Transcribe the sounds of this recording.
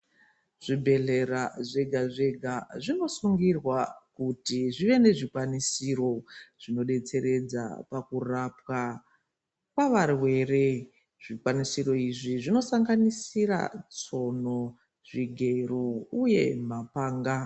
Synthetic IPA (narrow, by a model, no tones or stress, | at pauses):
ʐ̥ibʱe̞ɮe̞raʐeɡʱaʐe̞ɡʱaʐino̞suŋɡirwakutiʐiʋe̞ne̞ʐikwanisiro̞ʐ̥ino̞ɗe̞t͡se̞ɾe̞d͡za̰pakurapwa | kwaʋarwe̞re̞ | ʐ̥ikwanisiro̞iʐiʐino̞saŋɡanisira̰t͡so̞no̞ | ʐiɡʱe̞rouje̞mapaːŋɡa